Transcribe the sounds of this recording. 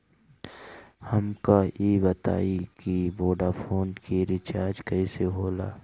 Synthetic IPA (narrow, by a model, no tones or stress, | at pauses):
hɐmkajeːbɐt̪a̰ːikiboːɖafʰoːnkiɾɪt͡ʃaːɾd͡ʒkɐiseɦoːla̰ː